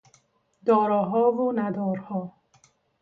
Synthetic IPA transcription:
d̪ɔːɾɔːɦɒːvonæd̪ɔːɾhɔː

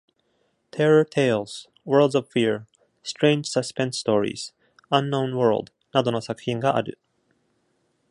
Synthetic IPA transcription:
t̪ʰeɾot̪ʰeːlz̥ | wə˞ld̪zovfiɹ | st̪ɾẽːɲd͡ʒ̥saspẽnsst̪oːɾḭːz̥ | ãnːõʊ̃nwə˞ld̪ | nad̪o̞no̞sakɯ̟̥çĩŋɡaʔaɾɯ̟̰

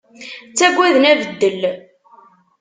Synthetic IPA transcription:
t͡sːæɡʷːiðənævəd̪ːəl

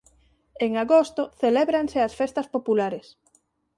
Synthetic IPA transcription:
eŋaɣost̪oθelɛβɾaŋseɐsfest̪ɐspopulaɾes

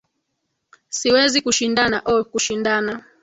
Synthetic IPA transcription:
siwɛzikuʃindanaʔɔkuʃindana

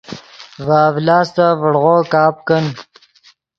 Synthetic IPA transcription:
vaːvlaːst̪avəɽʁoːkaːp̚kən

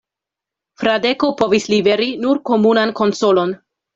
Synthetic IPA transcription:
fɾade̞kopo̞vislibe̞ɾinuɾko̞munanko̞nso̞lo̞n

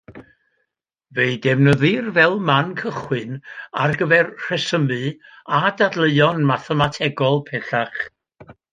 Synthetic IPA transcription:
veɨdɛvnəðɨrvɛlˠmankʰəχwɨna̰rɡəvɛrr̥ɛsəmɨ | adadlˠəɨɔnmaθɛmatʰɛɡɔlˠpʰɛθaχ

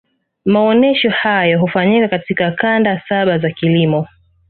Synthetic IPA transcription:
maɔnɛʃɔhajɔɦufaɲikakatikakandasaɓazakilimɔ

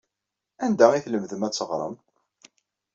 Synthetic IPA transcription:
ænd̪æiθləmðəmæt͡sːəʁɾˤə̰m

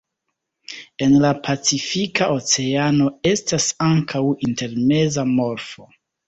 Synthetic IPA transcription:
e̞nlapʰat͡sifikaʔo̞t͡se̞ano̞e̞stasaŋkʰawinte̞ɾme̞zamo̞ɾfo̞

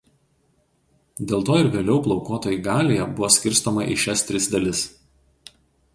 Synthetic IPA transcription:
d̪ʲeːlˠt̪oːɪɾʋʲeːlʲɛʊplˠɒʊkoːt̪oːjiɡɑːlʲeːjɛbʊʋoːsʲkʲɪɾʲˑst̪oːmɐʔɪ̰ʃʲɛst̪ʲɾʲɪsd̪ɐlʲɪs

